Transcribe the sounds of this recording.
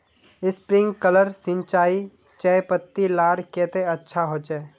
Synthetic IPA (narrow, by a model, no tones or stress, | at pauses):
ɪspɾɪ̃ŋɡkələɾsɪ̃ɲt͡ʃaːi | t͡ʃɛːpət̪ːilaːɾkeːt̪eɐtːʃʰaɦoːt͡ʃɛː